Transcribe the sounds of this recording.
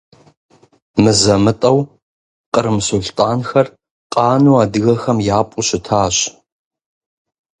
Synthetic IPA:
mɨzɐmɨtʼɐw | qʼəɾɨmsʊɮtʼaːnxɐr | qʼɑːnuːaːdɨɣɐxɐmjaːpʷʼʊɕɪtʰaːɕ

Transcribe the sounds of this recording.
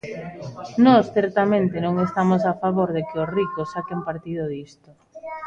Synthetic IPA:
nɔsθɛɾt̪amẽnt̪ɪnõŋest̪amos̬afaβoɾðekɪosrikosːakempaɾt̪iðʊðist̪o

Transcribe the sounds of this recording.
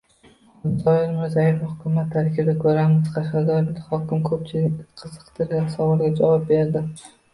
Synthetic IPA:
ɪt̪ɒɪlmɪɾzajefahʊkʰʲʊmat̪ʰːaɾɪkʲɪbd̪akʰɵɾamɪzqʰɑʃɑd̪ɒɾɪd̪ɪhɒkʲɪmkʰɵp̚t͡ʃʰɪɪkʲqʰɨzɨqt̪ʰɪɾɡʲasɒwɒlˠɡʲad͡ʒavɒp̚be̞ɾd̪ɪ

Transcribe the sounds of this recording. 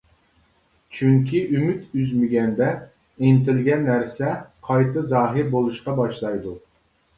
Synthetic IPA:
t͡ʃʰyŋkʲʰiʔymyt̪yzmɪɡʲɛnd̪ɛ | ent̪ɪlɡʲɛnːæɾsɛqʰɑjt̪ɨzɑːɦɨɾbolˠuʃqɑbɑʃlˠɑjd̪u

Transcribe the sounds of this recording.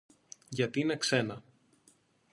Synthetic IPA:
ʝɐt̪iine̞kse̞nɐ

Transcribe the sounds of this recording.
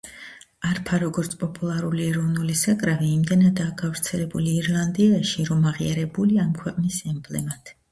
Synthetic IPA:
aɾpʰaɾɔɡɔɾt̪sʰpʼɔpʼulˠaɾuliɛɾɔvnulisakʼɾaviːmd̪ɛnad̪aːɡavɾt̪sʰɛlɛbuliːɾlˠand̪iaʃiɾɔmaʁiaɾɛbuliamkʰwɛqʼnisɛmblɛmat̪ʰ

